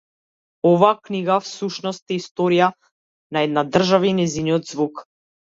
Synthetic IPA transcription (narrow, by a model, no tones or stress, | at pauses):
ɔvaːkniɡafsuʃnɔst̪ɛist̪ɔɾija | naɛd̪nad̪r̩ʒavainɛziniɔd̪zvuk